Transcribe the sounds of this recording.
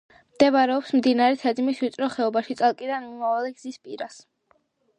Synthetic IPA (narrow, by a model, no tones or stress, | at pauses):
md̪̥ɛvaɾɛɔpsmd̪inaɾɛt̪ʰɛd̪imiswit̪sʼɾɔχɛɔbaʃit̪sʼalˠkʼid̪anmɔmavaliɡz̥ispʼiɾas